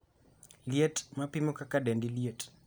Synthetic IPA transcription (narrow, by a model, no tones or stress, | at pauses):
ljetmapimɔkakadɛndiliet